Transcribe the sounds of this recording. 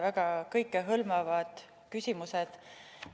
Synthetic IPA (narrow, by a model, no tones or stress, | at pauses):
væɡ̥ɑkɤjkːˑeɦɤlmɑvɑd̪̥ | kysʲimused̪̥